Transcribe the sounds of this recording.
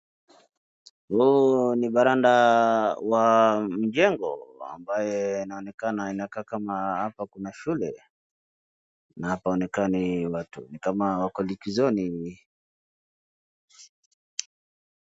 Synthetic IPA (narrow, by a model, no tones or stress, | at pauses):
huɔniɓaɾanda | wam̩d͡ʒɛŋɡɔ̰a̰mbajɛnaɔnɛkanainakaːkamahapakunaʃulɛ | nahapaɔnɛkaniwatunikamawakɔlikizɔni